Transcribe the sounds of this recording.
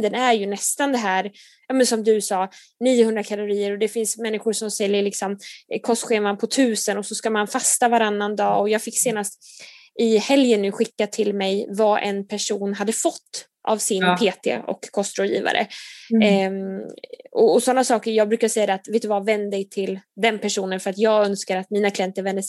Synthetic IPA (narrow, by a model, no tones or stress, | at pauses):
d̪ənæɾjɵnɛst̪and̪ɛɦæːɾ | jɑːmɛnsɔmd̪ɵsɑː | niːəhɵnd̪ɾakʰalʊɾiːəɾɔd̪ɛfɪnsmɛnːɪxʊʂɔmsɛljəɭɪksɔmkʰɔst̪ɧeːmanpʰɔt̪ʰʉ̟ːsənɔsɔskamanfast̪avaɾanːand̪ɑːɔjɑːɡfɪkːseːnast̪ | ɪhɛljənːʉ̟ːɧɪkːat̪ʰɪlmɛjvaʔɛ̰npʰæʂuːnɦad̪ːəfɔt̪ː | ʔa̰vsɪnpʰeːt̪ʰḛɔ̰kʰːɔst̪ɾɔːdjḭːva̰ɾʔə̰ | ɔɔsɔnːasɑːkəɾjɑːɡ̚bɾʉ̟ːkasɛjːad̪ɛat̪veːt̪ːɵvavɛnd̪d̪ɛjt̪ʰɪld̪ɛnpʰæʂuːnənfœɾat̪jɑːɡœnskaɾat̪miːnakʰlɪjɛnt̪əɾvɛnd̪əs